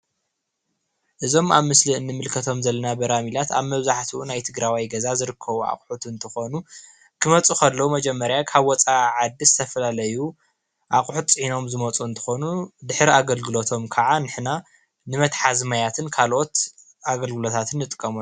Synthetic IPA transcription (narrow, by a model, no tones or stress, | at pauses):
ʔɨzo̞maβmɨsliɨnːɨmɨlkʰɐt̪ʰo̞mzɐlːɐnabɐɾamilat̪a̰βmɐβzaħt̪ʰuunajt̪ʰɨɡɾawijɡɐzazɨɾɨkʰːɐβua̰qʼħut̪ɨnt̪ʰɨxo̞nu | kʰɨmɐt͡sʼukʰɐlːɐwumɐd͡ʒɛmːɐɾjakʰaβwɔt͡sʼaʕad̪ːizɨt̪ʰɐfɐlalɐju | ʔaqʼħut̪t͡sʼɨħino̞mzɨmɐt͡sʼuɨnt̪ʰɨ̥xo̞nud̪ɨħɾiaɡɐlɡɨlo̞t̪ʰo̞mkʰaʕanɨħna | nɨmɐt̪ħazmajat̪ʰɨnkʰalʔo̞t̪ | ʔaɡɐlɡɨlo̞t̪ʰat̪ʰɨnːɨt̪ʼɨkʼːɐmu